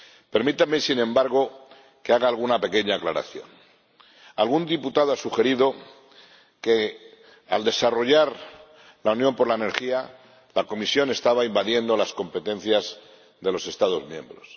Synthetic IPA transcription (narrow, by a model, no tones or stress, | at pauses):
pe̞ɾmit̪ame̞sinẽ̞mbaɾɣ̞o̞ | keaɣaːlɣunape̞ke̞ɲaːklaɾa̰θjo̞̰n | alɣund̪iput̪aðoasuxe̞ɾiðo̞ | ke̞ | ald̪e̞saro̞ʝaɾ | launjo̞mpo̞ɾlaene̞ɾxia | lako̞misjo̞ne̞st̪aβaimbaðje̞nd̪o̞lasko̞mpe̞t̪ẽ̞n̟θjaz | ðe̞lo̞se̞st̪aðo̞zmjẽ̞̰mbɾo̞s